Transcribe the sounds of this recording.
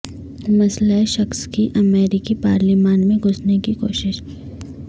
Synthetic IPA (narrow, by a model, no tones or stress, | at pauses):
mɐslaeʃɐxskiʔɐmeːɾɪkipaːɾlimaːnmẽɡʱʊsnekikoːʃɪʃ